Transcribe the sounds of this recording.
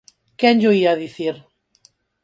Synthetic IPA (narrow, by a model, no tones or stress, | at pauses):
kɛnʎoiaðiθiɾ